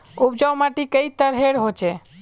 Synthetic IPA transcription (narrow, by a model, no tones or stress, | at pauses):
up̚d͡ʒawmaʈikəit̪əɾɦeɽɦot͡ʃe